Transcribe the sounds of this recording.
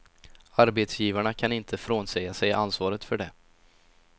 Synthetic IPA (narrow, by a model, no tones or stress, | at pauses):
aɾbeːt̪sjiːvaɳakʰanɪnt̪ʰəfɾoːnsɛjasɛjʔansvɑːɾət̪fœɖɛ